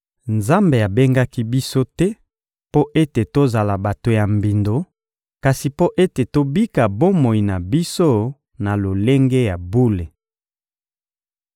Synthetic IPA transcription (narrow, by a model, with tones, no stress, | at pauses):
nza˦mbe˨a˨be˦ŋɡa˦ki˦bi˦so˦tɛ˦ | po˦ʔe˦te˨to˦za˨la˨ba˨to˨ja˨mbi˨ndo˨ | ka˨si˨po˦ʔe˦te˨to˦bi˦ka˨bo˦mo˨i˨na˨bi˦so˦ | na˨lo˨le˦ŋɡe˦ja˨bu˦le˨